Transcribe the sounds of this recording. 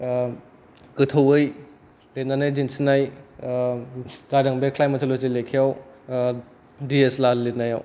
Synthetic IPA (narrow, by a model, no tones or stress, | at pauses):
kɯtʰowɯj | let̚nanajd͡ʒinsinaj | zadɐŋbekʰlajmatʰolozilekʰijaw | dieslaletnajaw